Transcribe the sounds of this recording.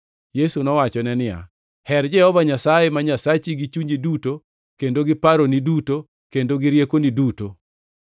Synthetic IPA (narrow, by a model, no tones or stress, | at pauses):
jesunɔwat͡ʃɔnɛnɪja̰ | hɛrd͡ʒɛhɔvaɲasajemaɲasat͡ʃiɡit͡ʃuɲiduto | kendoɡɪpaɾoniduto | kendoɡɪɾjekoniduto